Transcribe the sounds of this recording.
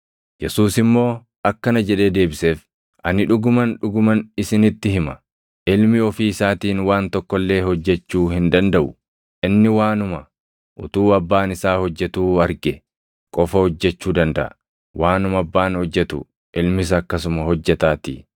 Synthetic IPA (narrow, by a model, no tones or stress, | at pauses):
jɛsuːsɪmːo̞ː | ɐkːɐnɐd͡ʒɛᶑe̞ːd̪e̞ːbɪseːf | ʔɐnɪᶑʊɡʊmɐnᶑʊɡʊmɐnɪsɪnɪt̪ːɪɦɪmɐ | ʔɪlmɪɔfiːɪsaːt̪iːnwaːnt̪ɔkːɔlːe̞ːhɔd͡ʒːɛt͡ʃːuːhɪnd̪ɐnd̪ɐʔʊ | ʔɪnːɪwaːnʊmɐ | ʔʊt̪uːɐbːaːnɪsaːhɔd͡ʒːɛt̪uːɐɾɡɛ | kʼɔfɐhɔd͡ʒːɛt͡ʃːuːd̪ɐnd̪ɐ̰ʔɐ | wʔaːnʊmɐɐbːaːnhɔd͡ʒːɛt̪ʊ̰ | ʔɪlmɪs̬ɐːkːɐs̬ʊmɐhɔd͡ʒːɛt̪aːt̪ɪ̰